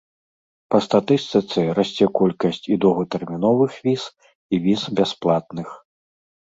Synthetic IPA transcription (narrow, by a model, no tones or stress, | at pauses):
pɐst̪at̪ɨst̪ɨt̪sɨɾasʲt͡sʲɛkɔlʲkɐsʲt͡sʲid̪ɔɣɐt̪ɛrmʲinɔvɨxvʲis | ivʲizbʲasplˠat̪̚nɨx